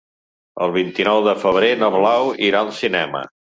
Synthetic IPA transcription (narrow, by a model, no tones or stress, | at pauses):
ə̰lˠβint̪inɔwðəfəβ̞ɾenəβlawiɾaəlˠsinɛmə̰